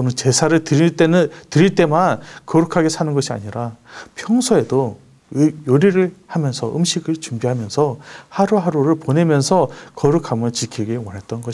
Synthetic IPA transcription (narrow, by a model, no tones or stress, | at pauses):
ʌnɯnt͡ɕe̞sʰaɾɯɭtɯt͈entɯɾiɭt͈e̞mankʌɾɯkʰaɡe̞sʰanɯnɡʌɕʰia̰ɲiɾapʰjʌŋsʰoe̞do | joɾiɾɯɭhamjʌnsʰʌʔɯmɕʰiɡɯɭt͡ɕumbiɦamjʌnsʰʌhaɾuɦaɾuɾɯɭpone̞mjʌnsʰʌkʌɾɯkʰamɯt͡ɕikʰiɡewʌnɦet̚t͈ʌnɡʌ